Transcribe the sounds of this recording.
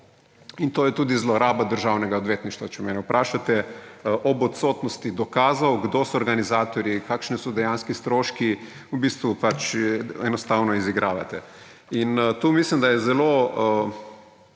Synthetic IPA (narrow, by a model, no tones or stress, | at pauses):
int̪oːjɛt̪uːd̪izlɔɾaːbad̪əɾʒawnɛɡaɔd̪ʋjeːt̪niʃt̪ʋat͡ʃɛmɛnɛupɾʔaːʃat̪ɛʔɔbɔt̪sot̪nɔst̪id̪ɔkaːzawɡd̪osɔːɾɡanizaːt̪ɔɾjikaːkʃnɛsɔd̪ɛjanskist̪ɾoːʃki | ubiːst̪ʋupat͡ʃɛnɔst̪aːwnɔiziɡɾaːʋa̰t̪ɛ | int̪uːmislimd̪ajɛzɛlo